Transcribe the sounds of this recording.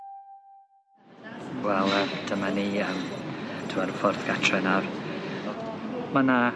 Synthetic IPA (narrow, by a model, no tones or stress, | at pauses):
wɛlˠəd̥ʰəmaniəmtʰuaɾəfɔrθɡ̥atʰrɛnar | mana